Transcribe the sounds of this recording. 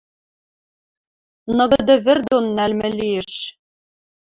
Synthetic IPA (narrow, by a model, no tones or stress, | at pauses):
nɤ̆ɣɤ̆d̪ɤ̆βɘ̆rd̪onːælmɘ̆lieʃ